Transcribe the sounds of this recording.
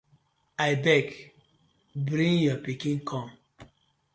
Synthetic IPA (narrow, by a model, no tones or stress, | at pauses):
aɪbɛk | bɾĩŋjɔpikĩnkʰɔ̃m